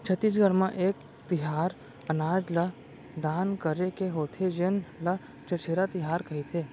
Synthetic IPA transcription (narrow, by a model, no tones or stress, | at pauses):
t͡ʃʰət̪ːis̬ɡʱəɾmãʔeːk̚ | t̪ɪɦaːɾ | ənaːd͡ʒlə | d̪aːnkəɾekeɦoːt̪ʰed͡ʒenlə | t͡ʃət͡ʃʰeːɾat̪ɪɦaːɾkɐɦit̪ʰeː